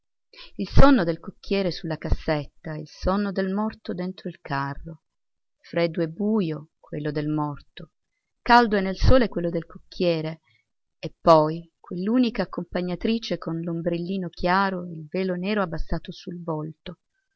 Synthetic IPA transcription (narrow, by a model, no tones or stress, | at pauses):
ilsɔnːod̪elkokːjɛːɾesulːakasːet̪ːailsonːod̪elmɔrt̪od̪ent̪ɾoilkʰarːo | fɾɛːd̪uɛbːuːjokwelːod̪elmɔrt̪o | kald̪oɛnːelsoːlekwelːod̪elkokʰːjɛːɾe | epːɔjkwelːuːnikaːkːompaɲːat̪ɾiːt͡ʃekonlombɾelːiːnok̟jaːɾoeilveːlonɛːɾoabːasːaːt̪osulvolt̪o